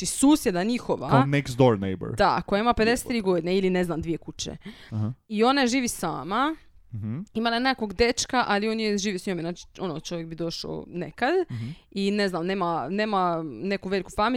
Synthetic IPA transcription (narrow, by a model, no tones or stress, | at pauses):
isuːsje̞d̪aɲixo̞ʋa̰anekst̪d̪oɾnḛjbə̰ɾd̪akojaimaped̪eset̪ɾiːɡo̞d̪ineiline̞znamd̪ʋije̞kut͡ɕḛ | io̞naʒiːʋisa̰ːma | imalanekoɡd̪e̞t͡ʃkaʔalio̞njeʒiːʋisɲomenaːt͡ʃi̥o̞not͡ʃo̞ʋjek̚bid̪o̞ʃa̰o̰nḛkad̪ine̞znamne̞ːmane̞ːmane̞kuʋe̞likufami